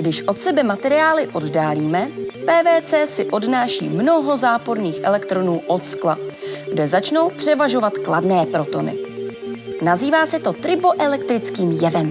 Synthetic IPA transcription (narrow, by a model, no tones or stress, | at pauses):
ɡdɪʃʔo̞t̪sɛbɛmat̪ɛɾɪaːlɪʔo̞ddaːliːmɛpɛːvɛːt͡sɛːsɪʔo̞dnaːʃḭːmno̞ɦo̞zaːpo̞ɾniːxʔɛ̰lɛkt̪ɾo̞nuːʔo̞t̪skla̰ɡdɛzat͡ʃno̞wpr̝̥ɛvaʒo̞vat̪kladnɛːpɾo̞t̪o̞nɪ̰ | naziːvaːsɛt̪o̞t̪ɾɪboʔɛlɛkt̪ɾɪt͡skiːmjɛvɛm